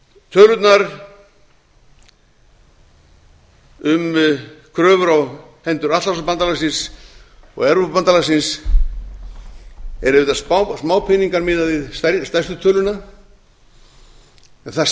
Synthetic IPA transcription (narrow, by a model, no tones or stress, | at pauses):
t̪ʰœːlʏt̪naɾ | ʏmkʰɾœːvʏɾaw | hɛnt̪ʏɾat̪aɾsapant̪alasɪns | ɔ̰ɣɛɾvʏpant̪alasɪns | ɛ̰ɾɪvɪːt̪assmaːwpʰɪniŋkaɾmɪːðaðɪðsast̪ajst̪ʏt̪ʰœːlʏna | ɛnθa